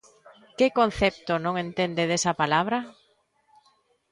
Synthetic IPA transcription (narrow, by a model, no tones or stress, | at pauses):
kɪkon̟θep̚t̪onõŋent̪end̪eðesɐpalaβ̞ɾɐ